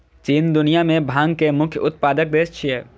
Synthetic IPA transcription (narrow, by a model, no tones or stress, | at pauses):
t͡ʃiːnd̪ʊnijamẽbʱãːŋɡkemʊkʰjəʊt̪̚paːd̪ək̚d̪eːst͡ʃʰie